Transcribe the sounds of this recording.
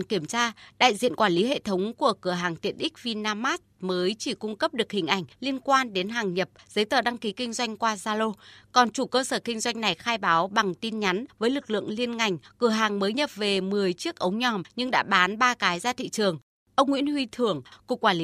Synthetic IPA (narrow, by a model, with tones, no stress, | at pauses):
nki˧˩əmt͡ɕaː˧ɗa̰ː˧˨jzḭ˧˨ənkwaː˧˩li˨˦ɦḛ˧˨t̪ʰə˨˦wŋ͡mku˧˩əkɨ˧˩əɦaː˨˩ŋt̪i˨˩ənɗï˦˥k̟̚vi˧naː˧maː˦˥t̚məː˨˦jt͡ɕi˧˩kʊ˧ŋ͡mkə˦˥p̚ɗɨ˨˩ək̚hï˨˩ŋ̟ʔa˧˩jŋ̟li˧ənkwaː˧nɗe˨˦nɦaː˨˩ŋɲə˨˩p̚z̥ə˨˦jt̪əː˨˩ɗa˧ŋki˨˦kï˧ŋ̟zwa˧jŋ̟kwaː˧zaː˧lo˧kɔ˨˩nt͡ɕu˧˩kəː˧səː˧˩kï˧ŋ̟zwa˧jŋ̟na˨˩jxaː˧jɓaː˨˦wɓa˨˩ŋt̪i˧nɲa˨˦nvəː˨˦jlɨ˨˩k̚lɨ̰˧˨əŋli˧ənŋa˨˩jŋ̟kɨ˧˩əɦaː˨˩ŋməː˨˦jɲə˨˩p̚ve˨˩mɨ˨˩əjt͡ɕi˦˥ək̚ʔə˨˦wŋ͡mɲɔ˧˩mɲɨ˧ŋɗa̰ː˧˥ɓaː˨˦nɓaː˧kaː˨˦jzaː˧t̪ʰḭ˧˨t͡ɕɨ˨˩əŋ | ʔə˧wŋ͡mŋwḭ˧˥nhwi˧t̪ʰɨ˧˩əŋku˨˩kːwaː˧˩li˨˦